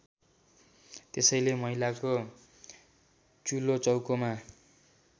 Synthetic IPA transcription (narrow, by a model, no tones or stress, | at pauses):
t̪esʌjlemʌɦilako | t͡sulot͡sʌwkoma